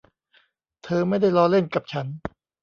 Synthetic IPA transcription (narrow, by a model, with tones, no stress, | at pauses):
t̪ʰɤː˧ma˥˩jda˥˩jlɔː˧˥le˥˩nka˨˩p̚t͡ɕʰa˦˥n